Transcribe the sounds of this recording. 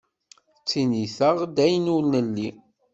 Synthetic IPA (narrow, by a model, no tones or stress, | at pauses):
t͡sːiniθəʁd̪æjnulnəlːi